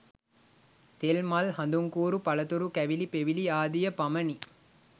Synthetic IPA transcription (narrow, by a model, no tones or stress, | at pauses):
t̪elmɐlɦɐnd̪uŋkuːɾupɐlɐt̪uɾukæʋilipeʋiliaːd̪ijɐpɐmɐni